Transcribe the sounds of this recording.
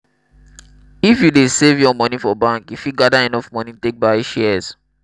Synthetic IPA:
ifjudesevjɔmɔnifɔbãŋkifuɡadaɛnɔfmɔnitek̚baɪʃɛs

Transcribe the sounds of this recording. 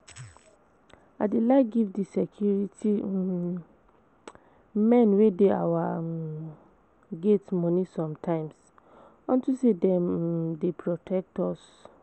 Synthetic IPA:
adelaɪɡivdisɛkʰjuɹitʰi | mɛ̃nwedea̰wa | ɡetmɔnisɔ̃mtʰãɪ̃ms | ɔ̃ntusedɛ̃mdepʰɹɔtʰɛk̚tɔs

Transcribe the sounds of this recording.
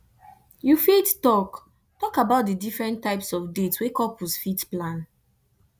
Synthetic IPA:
jufettɔk | tɔkabaʊt̚dədifɹɛ̃ntːaɪpsɔfdetswekɔpʰusfitplãn

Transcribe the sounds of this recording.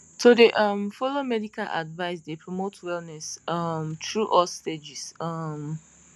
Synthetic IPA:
sodeʔʌmfɔlomɛdikalʔa̰dvaɪsdepʰɹɔmotʰwɛlnɛsʌmtɹuʔɔlsted͡ʒisʌm

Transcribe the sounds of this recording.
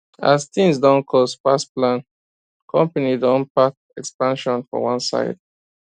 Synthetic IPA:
ast̪ĩŋsdãʊ̃nkʰɔspasplãn | kʰɔ̃mpanidɔ̃npak | ɛkspãnʃɔ̃nfɔ̰wãnsa̰ɪd̥̚

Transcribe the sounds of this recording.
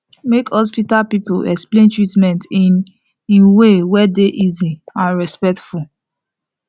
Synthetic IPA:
mekhɔs̬pitalpipoɛ̰ksplẽntɹitmɛ̃nt | ĩwewɛdeʔiziãnɹɛspɛk̚tful

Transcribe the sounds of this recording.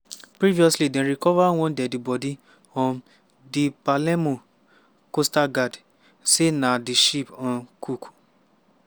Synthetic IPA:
pɾiviɔslidɛ̃ɾikɔvaaw̃ɔ̃dɛdibɔdi | ɔ̃n | dipalɛmõ | kostaɡad | senãdiʃipɔ̃kʰukʰu̥

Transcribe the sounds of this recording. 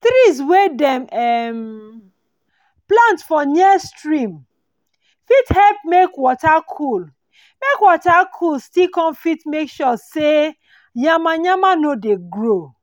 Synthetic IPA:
t̪ɾiswedɛ̃mɛm | plãntfɔnistɹĩm | fithɛlp̚mekwɔtakʰul | mekwɔtakʰulstikɔ̃nfitmekʃɔse | jamaɲamanodeɡɹo

